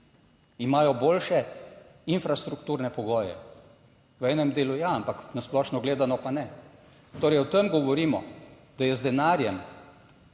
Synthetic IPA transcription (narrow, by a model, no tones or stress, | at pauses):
imaːjɔboːlʃɛ | infɾast̪ɾukt̪uːɾnɛpɔɡɔːjɛ̰ | ʋɛːnɛmd̪eːlujaampaknasplɔːʃnɔɡleːd̪anɔpanɛ | t̪oːɾɛjɔt̪əmɡɔʋɔɾiːmɔ̰ | d̪̥ajɛzd̪ɛnaːɾjɛm